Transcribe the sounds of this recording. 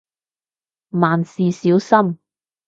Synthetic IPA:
maː˨nsiː˨siː˨˥wsɐ˥m

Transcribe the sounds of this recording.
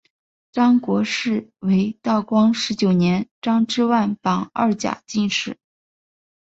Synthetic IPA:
ʈ͡ʂɑ˥ŋkwɔ˧˥ʂɻ̩˥˩we˧˥ɪt̪ɑ˥˩ʊkwɑ˥ŋʂɻ̩˧˥t͡ɕjo˨˩ʊnjɛ˧˥nʈ͡ʂɑ˥ŋʈ͡ʂɻ̩˥˧wa˥˩ɪnpɑ˨˩ŋɐ̰˞˥˩t͡ɕja̰˨˩t͡ɕi˥˧nʂɻ̩˥˩˦

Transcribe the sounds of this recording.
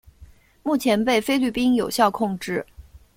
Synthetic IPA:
mu˥˩t͡ɕʰjɛ˧˥npe˥˩ɪfe˥ɪly˥˩pi˥njo˨˩ʊɕjɑ˥˧ʊkʰʊ˥˧ŋʈ͡ʂɻ̩˥˩

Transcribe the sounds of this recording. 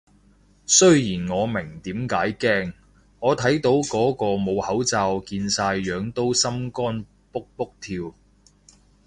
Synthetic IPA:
sɵ˥ɥjiː˨˩nŋɔː˨˧mɪ˨˩ŋt̪iː˨˥mkaː˨˥jkɛː˥ŋː | ɔː˨˧t̪ʰɐ˨˥jt̪o˨˥wkɔː˨˥kɔː˧mo˨˧whɐ˨˥wt͡saː˧wkiː˧nsaː˧jjœː˨˧ŋt̪o˥wsɐ˥mkɔː˥n | pʊ˥k̚pʊ˥k̚t̪ʰiː˧w

